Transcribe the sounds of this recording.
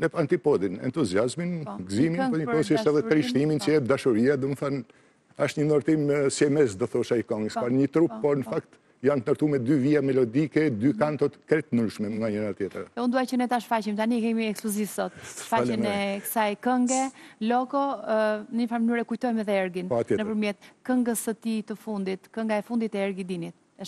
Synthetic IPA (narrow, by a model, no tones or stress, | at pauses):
nɛpant̪ipɔd̪inɛ̰nt̪uziazminɡzimipɔɲəɔsiʃɛðɛt̪ɾiʃt̪imint͡ʃəɛd̪aʃɔɾiad̪ɔməθan | aʃt̪ɲənɔɾt̪imsjɛmɛsd̪ɔθɔʃaikɔŋɡəsfanɲət̪ɾuppːɔɾnəfakt̪ | jant̪nɔɾt̪umɛd̪yviamɛlɔd̪ikɛd̪ykant̪ɔt̪kɾɛt̪ːənuɾʃmɛŋɡaɲənat̪jɛt̪ɾɛund̪uajt͡ɕənɛt̪aʃfacimt̪anikɛmiɛkspluzivsɔt̪̚faaɛnɛkə̥sajkəŋɡɛlɔɡɔnəɲəfanmənyɾɛkujt̪ɔjmɛðɛɛɾɡinpɔat̪ɛnəpəɾmjɛt̪̚kəŋɡəsət̪it̪əfund̪it̪kəŋɡaɛfund̪it̪ɛɛɾɡid̪init̪̚ | ɛʃ